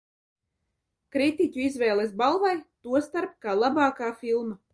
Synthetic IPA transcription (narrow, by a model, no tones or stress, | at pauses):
kɾit̪icʲuizvɛːlˠesbalˠvajt̪uɔst̪aɾp̚kaːlˠabaːkaːfilˠma